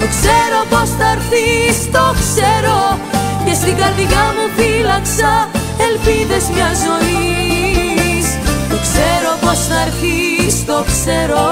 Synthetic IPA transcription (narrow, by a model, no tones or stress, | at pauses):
t̪okse̞ɾo̞po̞sθɐeɾθist̪okseɾo̞cest̪iŋɡɐɾðiɣɐmufilɐksɐ | e̞lpiðe̞zmɲɐzo̞ni | s | t̪okse̞ɾo̞po̞sθɐeɾθist̪okseɾo